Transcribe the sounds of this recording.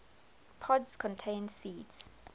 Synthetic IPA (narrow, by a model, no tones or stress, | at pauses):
pʰɔdskʰɔ̃ntʰẽːnsiːds